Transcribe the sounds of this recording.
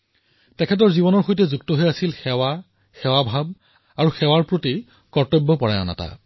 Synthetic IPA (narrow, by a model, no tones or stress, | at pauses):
tɛkʰɛt̬ɔɹzibɔnɔɹxojtɛzuktɔɦojasilxɛwa | xɛwabʱab̚ | aɹuxɛwaɹpɹoti | kɔɹtɔbːɔpɔɹajɔ̰na̰ta̰